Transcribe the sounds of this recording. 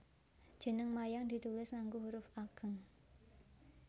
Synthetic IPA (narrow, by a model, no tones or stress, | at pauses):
d̥ʒ̥ə̤nəŋmajaŋd̪i̤t̪ulɪsŋaŋɡuɦuɾʊfaɡ̥ə̤ŋ